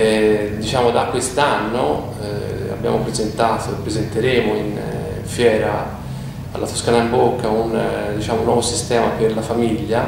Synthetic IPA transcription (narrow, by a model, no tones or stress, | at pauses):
ɛd̪it͡ʃaːmod̪akːwest̪anːo | a̰bja̰ːmopɾezent̪aːt̪opːɾezent̪eɾeːmoin | ɱfjɛːɾa | a̰lːat̪o̥skaːnaimbokːaund̪it͡ʃaːmonːwɔvosist̪ɛːmaperlafamiʎːa